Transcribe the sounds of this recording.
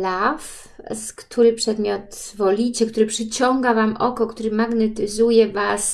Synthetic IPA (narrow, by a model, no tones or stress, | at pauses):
laf | skt̪ʰuɾɘpʂɛd̪mʲjɔt̪vɔlʲit͡ɕɛkt̪uɾɘpʂɘt͡ɕɔŋɡavamʔɔkɔkt̪uɾɘmaɡnɛt̪ɘzujɛvas